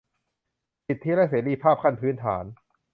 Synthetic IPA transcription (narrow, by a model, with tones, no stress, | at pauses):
si˨˩t̪ʰːi˦˥˩ɾa˦˥seː˩˦liː˧pʰaː˥˩p̚kʰa˥˩npʰɯː˦˥nt̪ʰa̰ː˩˦n